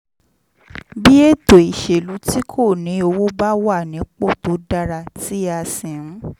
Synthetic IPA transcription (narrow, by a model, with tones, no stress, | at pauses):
bi˦e˦˨to˨i˨ʃe˨lu˨˦ti˦kʰo˦˨nĩ˨˦o˧wo˦ba˦wa˦˨nĩ˨˦k͡po˦˨to˨˦da˧ɾa˧ti˦a˧sĩ˨ɾũ˨˦